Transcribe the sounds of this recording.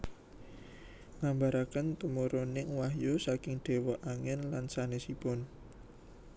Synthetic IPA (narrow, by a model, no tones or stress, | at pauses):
ŋambaɾakənt̪əmoɾonɪŋwaɦjosakɪŋɖ̪̥e̤wɔʔaŋɛnlansanesipɔn